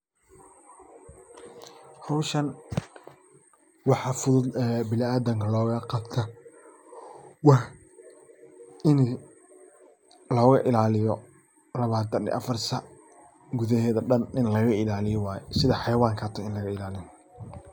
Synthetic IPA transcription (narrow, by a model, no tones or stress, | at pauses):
hɑwʃɐn | wɑħɑfʊðʊd̪ɛbɪlɪaːðɐŋkʰɐlɔːɣɐqɑbt̪ʰɐ | wɑh | ɪn | lɔːɣɐ̰ʔɪlaːlɪjɔ | lɐβaːt̪ʰɐnɪ̰ʔɐfɐrsɐ | ɡʊðɐɦɛːðɐɖɐnɪnlɐɣɐɪlaːlɪjɔwaːjɛsɪðɐħɑjwaːŋkʰɐt̪ʰɔɪnlɐɣɐɪlaːlɪn